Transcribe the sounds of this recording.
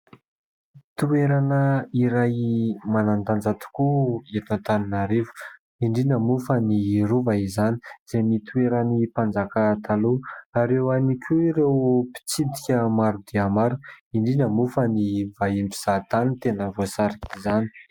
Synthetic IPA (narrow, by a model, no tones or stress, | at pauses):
t̪ueɾanəiɾajmanand̪and͡zat̪u̥kuet̪ant̪aninaɾevu̥ | iɳɖ͡ʐinəmufəniruvaizani̥z̥emit̪ueɾanipand͡zakat̪ʰaluaɾewanikʲuiɾewpi̥t͡sid̪ikʲəmaɾud̪eamaɾuiɳɖ͡ʐinəmufənivaembiz̥at̪anit̪enəvosaɾak̪ʲizani̥